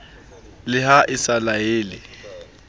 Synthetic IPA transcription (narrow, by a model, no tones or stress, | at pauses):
lɪɦaʔɪsalaeːlɪ̰